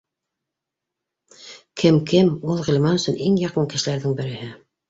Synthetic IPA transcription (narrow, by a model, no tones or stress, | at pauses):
kʰɘmkɘmulˠʁɵ̆lʲmɑnɵ̆sɵnʔiŋjɑqɤɴkɘ̆ʃɘ̆læɾðɘŋbɘ̆ɾɘ̆hɘ